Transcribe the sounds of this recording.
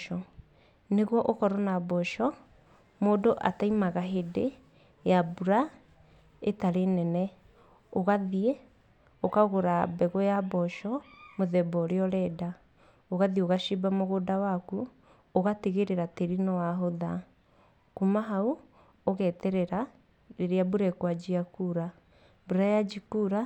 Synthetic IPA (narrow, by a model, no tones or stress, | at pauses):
ɔ | neɣwɔʔokɔɾɔnabɔʃɔ | moːdoʔa̰taimaɣaɦede | jabuɾa | etaɾenɛnɛ | oɣaðie | okaɣoɾabɛɣɔjabɔʃɔmoðɛbɔɾeɔɾɛda | oɣaðioɣaʃibamoɣodawaku | oɣateɣeɾeɾateɾinɔwaɦoða | kumaɦau | oɣɛtɛɾɛɾa | ɾeɾeabuɾɛkwad͡ʒiakuɾa | buɾajad͡ʒikuɾa